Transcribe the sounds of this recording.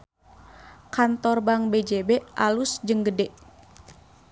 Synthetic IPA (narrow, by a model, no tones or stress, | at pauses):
kant̪ɔrbaŋbed͡ʒebɛʔalusd͡ʒɨŋɡədɛʔ